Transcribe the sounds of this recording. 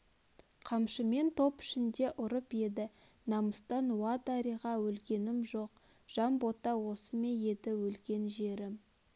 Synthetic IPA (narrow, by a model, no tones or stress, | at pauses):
qʰɑmʃəme̞nt̪ʰo̞pɪ̥ʃɪnd̪e̞ʔʊɾəpje̞d̪ɪ | nɑməst̪ɑnwɑd̪ɑɾijʁɑwɵlɡʲe̞nɪmʒo̞q̚ | ʒ̥ɑmbo̞t̪ɑwo̞səme̞je̞d̪ɪwɵlɡʲe̞nʒe̞ɾɪm